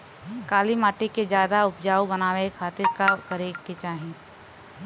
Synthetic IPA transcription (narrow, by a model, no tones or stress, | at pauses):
kaːlimaːʈeked͡ʒjaːd̪aʊpd͡ʒaːobɐnaːʋekʰaːt̪ɪɾkakɐɾeket͡ʃaːɦĩ